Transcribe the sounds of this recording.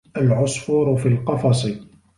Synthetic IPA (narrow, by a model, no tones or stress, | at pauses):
ʔalʕʊsˤfuːɾʊfilqɑfɑsˤi